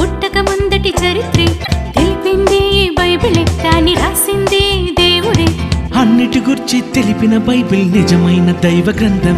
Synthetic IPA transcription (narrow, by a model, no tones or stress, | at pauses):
puʈːɐkɐmɐnd̪ɐʈit͡ʃɐɾit̪ɾit̪elipind̪ibɐjbilet̪aːniɾaːsind̪ed̪eːʋuɾehɐnːeʈːɯɡuɾt͡ʃit̪elipinɐbɐjbilnɪd͡ʒɐmɐjnɐd̪ɐjʋɐɡɾɐnd̪ɐm